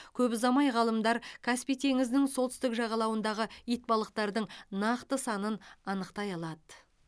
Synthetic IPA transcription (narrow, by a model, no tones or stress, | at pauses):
kʲʰɵbɪzɑmɑjʁɑlˠəmd̪ɑɾkʲʰaspijt̪ʰe̞ŋɪzd̪ɪŋso̞lt̪ʏst̪ɪkʒɑʁɑlˠɑwənd̪ɑʁəijt̪̚bɑlˠəq̚t̪ɑɾd̪əɴnɑqt̪əsɑnənɑnəqt̪ɑjɑlˠɑd̪ə